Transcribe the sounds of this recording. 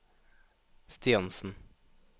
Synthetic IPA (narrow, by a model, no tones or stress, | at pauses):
st̪iɑnsn̩